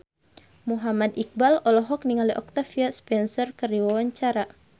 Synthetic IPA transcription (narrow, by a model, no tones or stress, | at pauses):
muɦamad̪ik̚balɔlɔɦɔk̚niŋaliʔɔk̚t̪afiaspɛnsɔrkəɾiwawaɲt͡ʃaɾa